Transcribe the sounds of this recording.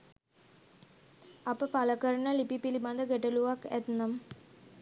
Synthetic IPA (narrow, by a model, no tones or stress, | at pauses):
apəpaləkəɾəɳəlipipiliband̪əɡeʈəluʋakæ̰t̪nam